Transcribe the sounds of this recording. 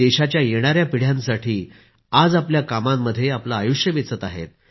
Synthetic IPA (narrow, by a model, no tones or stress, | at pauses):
eɕat͡ɕjajeɽ̃aɾjapiɽ̤jãnsaʈʰiː | ad͡zapljakamamːəd̪ʱːjeaplaːjuʂjəʋit͡sət̪aɦḛt̪̚